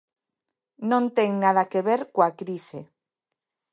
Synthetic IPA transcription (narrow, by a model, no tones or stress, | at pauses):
nõnt̪eŋnaðakeβeɾkoakɾise